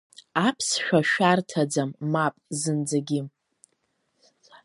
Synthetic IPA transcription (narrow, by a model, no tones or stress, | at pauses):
apʰsʃᶣaʃᶣartʰad͡zamːapʼzɨnd͡zaɡʲɪ